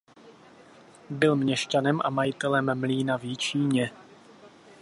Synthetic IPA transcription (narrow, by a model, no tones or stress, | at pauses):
bɪlmɲɛʃcanɛmʔa̰majɪt̪ɛlɛmːliːnavjɪt͡ʃiːɲɛ